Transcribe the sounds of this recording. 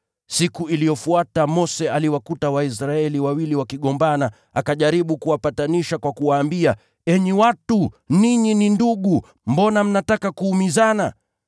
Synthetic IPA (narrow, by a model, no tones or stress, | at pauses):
sikuilijɔfuatamɔsɛaliwakutawaisɾaɛliwawiliwakiɠɔmbana | akaʄaɾiɓukuwapataniʃakwakuwaːmbia | ɛɲiwatuniɲininduɠu | mbɔnam̩natakakuːmizana̰